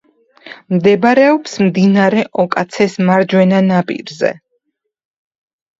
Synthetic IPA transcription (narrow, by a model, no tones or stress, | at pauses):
md̪ɛbɾɛɔpsmd̪inaɾɛʔɔkʼat̪sʰɛsmaɾd͡ʒwɛnanapʼḭɾzɛ̰